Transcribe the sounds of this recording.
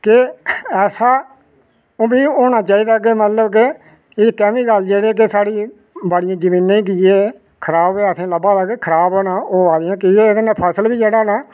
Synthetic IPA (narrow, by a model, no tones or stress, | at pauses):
kɪɛːsaː | oːbiːoːñaːt͡ʃaːiːd̪aːk̬eːmət̪ləbk̬e | ɪkɛ̃ːmiːɡəld͡ʒeːɽeːk̬esaːɽiː | bəɽɪjãːd͡ʒəmĩːnãːĩːk̬iːeː | kʰəɾaːbeːəsẽːləbãːd̪aɡeːkʰəɾaːboːnaːoːaːɾɪjãːkiːeːd̪nãːpʰəsəlbiːd͡ʒeːɽaːnaː